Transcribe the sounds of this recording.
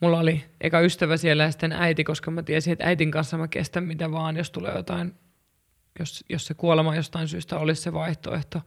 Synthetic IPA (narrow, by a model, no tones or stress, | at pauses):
mulːɑoliʔḛikæyst̪æʋæsielːæjæst̪enæit̪ikoskɑmæt̪iæsinet̪æ̰it̪iŋkɑnsːɑmækḛst̪æmmit̪æʋɑːnjost̪ulḛːjot̪ɑin | josjossekuolemɑjost̪ɑinsyːst̪æolisseʋɑiht̪o̰ḛht̪o